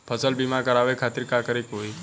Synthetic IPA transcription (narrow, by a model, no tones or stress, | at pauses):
pʰəsəlbimãkəɾaʋekʰat̪iɾkakəɾikoi